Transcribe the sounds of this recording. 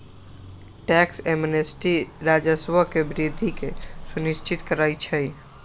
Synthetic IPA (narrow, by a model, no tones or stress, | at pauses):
ʈɛksemnesʈiɾad͡ʒəsʋəkebɾid̪ʱikesunist͡ʃʰit̪kəɾajt͡ʃʰəj